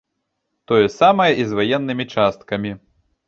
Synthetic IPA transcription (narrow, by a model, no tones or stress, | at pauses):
t̪ɔjɛsamɐjɐʔizvajɛnːɨmʲit͡ʂast̪̚kɐmʲi